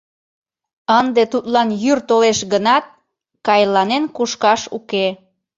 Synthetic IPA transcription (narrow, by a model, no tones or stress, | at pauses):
ənd̪et̪ut̪lɑnjyrt̪oleʃɡənɑt̪̚ | kɑjlɑnenkuʃkɑʃuke